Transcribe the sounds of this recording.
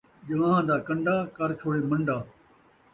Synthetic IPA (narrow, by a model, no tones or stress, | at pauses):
ʄɐʋãːɦãːd̪aːkɐ̃ɳɖaːkɐɾt͡ʃʰoːɽeːmɐ̃ɳɖaː